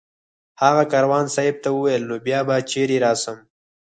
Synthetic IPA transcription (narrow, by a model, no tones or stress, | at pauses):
haɣakɑɾawɑnsɑɪb̚t̪awəwajlːobjɑbat͡ʃeɾiɾɑːsəm